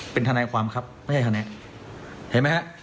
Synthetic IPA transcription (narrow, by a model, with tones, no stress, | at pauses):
pe˧nt̪ʰa˧naː˧kʰwaː˧mkʰa˦˥p̚m˥˩jha˥˩t̪ʰaː˧ | he˨˩˦nma˦˥jha˦˥ʔ